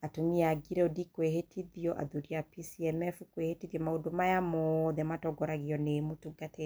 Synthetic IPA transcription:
atomiaɡiɾɛodikweɦetʰiðiɔʔa̰ðuɾiapisiɛmɛfukwehetiðjɔmaodomajamɔðɛmatɔɡɔɾaɣiɔnemotuɡate

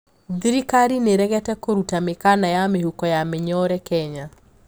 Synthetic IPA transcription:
d̪iɾikaɾineɾɛɣɛtɛkoɾutamɪkanajamehukɔjamɪɲɔɾɛkɛɲa

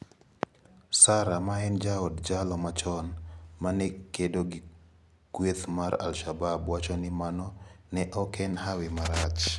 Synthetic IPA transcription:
saɾamaɛnd͡ʒaɔdd͡ʒalɔmat͡ʃɔnmanɛkedoɡi | kwet̪maɾa̰lʃababwat͡ʃɔnɪmanɔnɛʔɔkɛnhawɪmaɾat͡ʃ

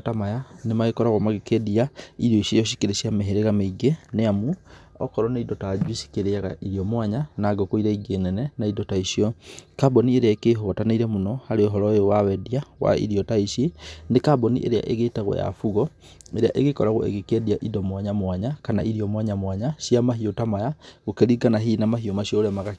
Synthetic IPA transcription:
tamajanemaɣekɔɾaɣwɔmaɣekediaiɾjɔiʃejɔʃi̥keɾeʃiameɦeɾeɣameiɡeneamu | ɔ̰kɔɾɔnaidɔtad͡ʒwisi̥keɾeaɣa̰ʔiɾiɔmwaɲanaɡɔkoiɾaiɡeːnɛnɛnaidɔtaiʃiɔkabɔnieɾeaekeɦotanaiɾɛmonɔhaɾeoɦɔɾɔjowawɛdiawa̰ḭɾiɔtaiʃenekabɔnḭʔḛɾea̰ʔeɣetaɣwɔ̰ja̰fuɣɔ | eɾea̰ʔeɣekɔɾaɣo̰ʔḛɣekediaʔidɔmwaɲamwaɲakana̰ʔiɾiɔmwaɲamwaɲasiamaɦiotamajaɣokeɾiɡanaɦinamaɦiomaʃiɔɾɛmaɣa

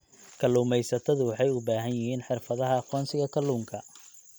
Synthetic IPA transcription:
kʰɐluːmɛjsɐt̪ʰɐðʊwɑħɑjʊbaːɦɐnjɪɦiːnħɪrfɐðɐɦɐɑqɔːnsɪɣɐkʰɐlːuːŋkʰɐ

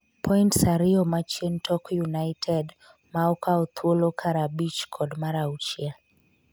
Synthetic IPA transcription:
pʰɔintsaɾɪɔmat͡ʃentʰɔkjunaɪtʰɛd | maɔkaɔt̪ʰwolokʰaɾabit͡ʃkʰɔdmaɾaut͡ʃja

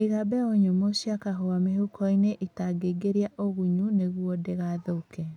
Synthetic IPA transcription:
iɣabɛoɲomosiakaɦoamehukɔineʔitaɡeɡeɾiaʔoɣuɲuneɣwɔdeɣaðoukɛ

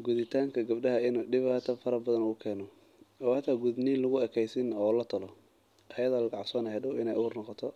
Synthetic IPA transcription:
ɡʊðɪt̪ʰaːŋkʰɐɡɐbɖɐɦɐɪnuːɖɪβaːt̪ʰɐfɐɾɐbɐðɐnʊɣʊkʰɛːnɔ | ɔːhɐt̪ʰaːɡuðniːnlʊɣʊɛkʰɛjsɪnɔːlɐt̪ʰɐlɔ | ʔɐjɐðaːlɐɡɑʕsɔːnɐhɐdʊwɪnɛjʔuːrnɔqɔt̪ʰɔ

